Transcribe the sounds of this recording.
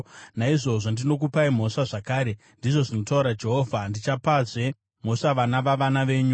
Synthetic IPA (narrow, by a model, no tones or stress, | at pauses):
naiʐo̞ʐo̞ndino̞k̬upaim̤o̞ʂaʐakaːɾe̞ | ndiʐo̞ʐino̞tauɾad͡ʒe̞ɦo̞ːvʱandit͡ʃapaze | m̤o̞ʂaʋanaʋaʋanaʋe̞ːɲu